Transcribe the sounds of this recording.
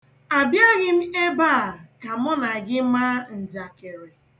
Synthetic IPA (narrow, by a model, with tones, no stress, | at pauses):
a˨bja˦ɣɪ˦m̩˦e˦baː˦˨ka˨mɔ˦na˨ɡɪ˦ma˦n̩˨da˨ke˨ɾe˨